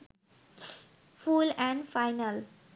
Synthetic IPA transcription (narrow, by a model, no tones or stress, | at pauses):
fulɛ̃ɳɖfaɪnəl